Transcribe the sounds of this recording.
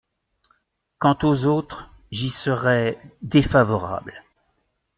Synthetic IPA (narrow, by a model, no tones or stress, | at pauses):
kɑ̃t̪ozot̪χ | ʒisəʁɛd̪efavɔʁa̰bl